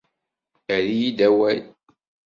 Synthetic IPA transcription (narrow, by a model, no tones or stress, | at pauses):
æɾijid̪æwæl